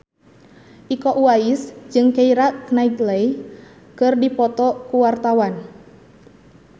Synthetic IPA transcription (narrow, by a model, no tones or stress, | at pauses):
ʔikɔʔuaisd͡ʒɨŋkeiɾaʔknait̪lej | kɨrdipɔt̪ɔkuwart̪awan